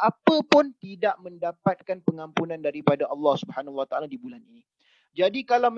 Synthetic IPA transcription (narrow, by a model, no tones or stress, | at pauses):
ʔapəpʊnt̪idaʔmə̃ndapat̪̚kanpəŋãmpunãndaɾipadaʔɑlːɑhsubəhanawat̪aaladibulanini | d͡ʒadikalawm